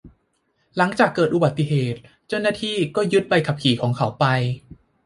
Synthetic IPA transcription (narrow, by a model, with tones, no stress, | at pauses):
la˩˦ŋt͡ɕaː˨˩kːɤː˨˩t̪ʔu˨ba˨˩t̪ːi˨˩ɦeː˨˩t̪̚ | t͡ɕa˥˩wnaː˥˩t̪ʰiː˥˩kɔː˥˩jɯ˦˥t̪̚ba˧jkʰa˨˩p̚kʰiː˨˩˦kʰɔː˩˦ŋkʰa˩˦wpa˧j